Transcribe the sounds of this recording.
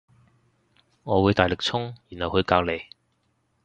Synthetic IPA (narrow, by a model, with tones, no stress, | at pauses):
ŋɔː˨˧wu˨˧jt̪aː˨˩jlɪ˨k̚t͡sʰʊ˥ŋjiː˨˩nhɐ˨whɵ˨˧ɥkaː˧wle˨˧j